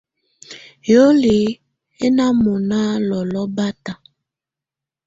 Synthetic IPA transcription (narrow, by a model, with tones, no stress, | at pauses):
jo˦li˨ | e˦na˦mo˨na˦lɔ˨lɔ˦ba˦ta˨